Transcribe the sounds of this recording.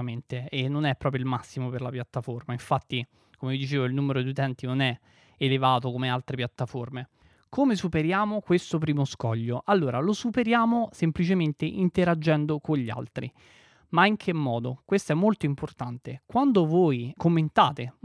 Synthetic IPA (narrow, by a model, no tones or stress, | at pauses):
ment̪eenːonɛpɾɔːp̬ɾjoilmasːimoperlapjat̪ːaformaiɱfat̪ːi | komevid̪it͡ʃeːvoilnuːmeɾod̪iut̪ɛnt̪inonɛ | elevaːt̪okomealt̪ɾepjat̪ːaforme | komesupeɾjaːmokwest̪op̬ɾiːmoskɔʎːoʔalːoːɾalosupeɾjaːmosemplit͡ʃement̪eʔint̪eɾad͡ʒːɛnd̪okoɲʎːia̰lt̪ɾḭ | maiŋkʰemːɔːd̪okwest̪oɛmːolt̪oimport̪ant̪ekwand̪ovoːjkomːent̪aːt̪e